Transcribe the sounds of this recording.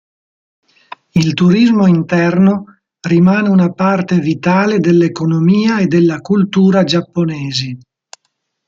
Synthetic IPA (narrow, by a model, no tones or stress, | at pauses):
ilt̪uɾizmoint̪ɛrno | rimaːneunapart̪evit̪aːled̪elːekonomiːaed̪elːakult̪uːɾad͡ʒapːoneːze